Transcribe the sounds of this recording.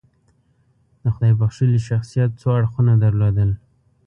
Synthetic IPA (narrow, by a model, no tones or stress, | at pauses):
d̪̥əxʊd̪ɑjbaxʃiliʃaxsijat̪̚t͡soaɽxunad̪əɾlod̪əl